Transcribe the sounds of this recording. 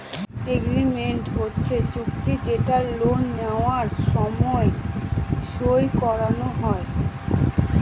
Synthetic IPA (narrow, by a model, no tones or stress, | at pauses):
eɡɾimeɳʈɦotːɕʰet͡ɕukt̪id͡ʑeʈaɾlonːeoaɾʃɔmɔe | ʃojkɔɾanoɦɔe